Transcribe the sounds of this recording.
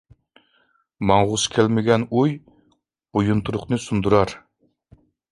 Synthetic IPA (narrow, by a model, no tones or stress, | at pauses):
mɑŋʁʊskʲʰælmɪɡʲɛnuj | bujunt̪ʰuɾʊχnɨsund̪uɾɑɾ